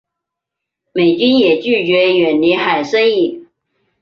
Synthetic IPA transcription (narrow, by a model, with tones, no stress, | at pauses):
me˨˩ɪt͡ɕy˥njɛ˨˩t͡ɕy˥˩t͡ɕɥɛ˧˥ɥɛ˨˩nli˧˥xa˨˩ɪʂə˥ŋi˥˩